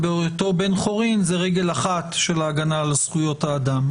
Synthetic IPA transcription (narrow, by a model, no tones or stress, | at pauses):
beot̪o̞be̞nχo̞ʁinzeʁeɡe̞laχat̪ʃe̞laːɡanalasχujo̞t̪haːd̪am